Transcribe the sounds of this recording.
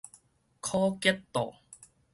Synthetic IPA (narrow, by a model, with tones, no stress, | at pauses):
kʰɔː˥kɛ˥t̚t̪ɔ̰ː˨˩